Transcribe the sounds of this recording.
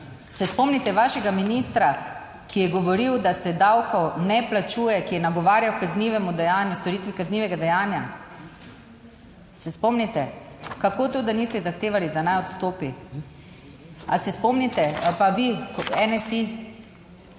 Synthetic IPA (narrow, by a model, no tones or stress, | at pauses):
sɛspɔmnit̪ɛʋaːʃɛɡaminist̪ɾa | kijɛɡɔʋɔɾiwd̪asɛd̪awkɔwnɛplat͡ʃuːjɛkijɛnaɡɔʋaːɾjawkazniʋɛmud̪ɛjaːnjust̪ɔɾiːt̪ʋikazniʋɛɡad̪ɛjaːnja | sɛspɔmnit̪ɛ | kakoːt̪od̪anist̪ɛzaxt̪eːʋalid̪anajɔt̪st̪oːpi | asɛspɔmnit̪ɛpaʋikɛnɛsi